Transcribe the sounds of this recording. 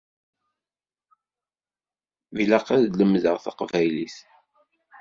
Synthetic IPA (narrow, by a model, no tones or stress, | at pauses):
viləqaðləmðəʁθɑ̰qvæjliθ